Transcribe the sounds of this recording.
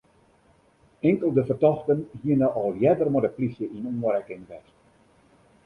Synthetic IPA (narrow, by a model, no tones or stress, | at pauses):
ɛŋkəlˠdəfərtɔxtənhiənəʔɔlˠjɛdərmɔdəplisjəʔinuːəɾɛkɪŋʋɛs